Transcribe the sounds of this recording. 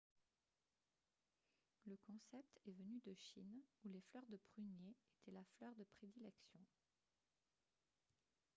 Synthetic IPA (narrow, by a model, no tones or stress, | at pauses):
ləkɔ̃sɛp̚t̪ɛvənyd̪əʃinuleflœʁd̪əpχynjeet̪ʰɛlaflœʁd̪əpχed̪ilɛksjɔ̃